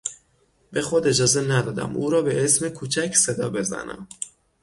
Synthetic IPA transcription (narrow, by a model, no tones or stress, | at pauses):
be̞xod̪e̞d͡ʒɒːze̞næd̪ɒːd̪æ̰muːɾɒːbe̞ʔesmekʰuːt͡ʃʰæcʰsed̪ɒːbe̞zæ̰næ̰m